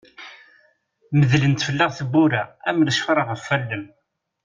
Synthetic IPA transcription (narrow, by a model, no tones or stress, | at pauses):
məðlənt̪fəlːəʁθəbːuɾææməlʃfɾˤəʁəfːælːəm